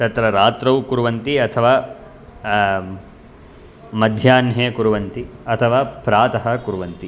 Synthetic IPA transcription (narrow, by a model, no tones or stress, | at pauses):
t̪ɐt̪ɾɐɾaːt̪ɾɐwkuɾuʋɐnt̪iɐt̪ʰɐʋaː | mɐd̪ʱjaːnɦeːkuɾuʋɐnt̪iɐt̪ʰɐʋaːpɾaːt̪ɐɦɐ̆kuɾuʋɐnt̪i